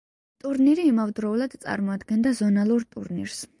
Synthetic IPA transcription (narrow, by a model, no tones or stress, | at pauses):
t̪ʼuɾniɾiːmavd̪ɾɔulˠad̪t̪sʼa̰ɾmɔad̪ɡɛnd̪azɔnalˠuɾt̪ʼṵɾnḭɾs